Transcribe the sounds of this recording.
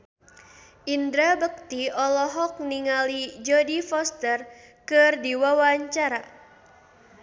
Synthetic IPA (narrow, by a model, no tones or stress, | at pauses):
ʔindɾabək̚t̪iɔlɔɦɔk̚niŋalid͡ʒɔdifɔst̪ər | kɨrdiwawaɲt͡ʃaɾa